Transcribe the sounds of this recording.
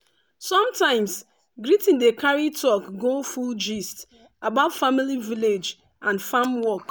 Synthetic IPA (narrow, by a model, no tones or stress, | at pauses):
sɔ̃mtãɪ̃ms | ɡɾitĩndekaɾitʰɔkɡofuld͡ʒist | abaʊtfamiliviled͡ʒ | ãnfamwɔk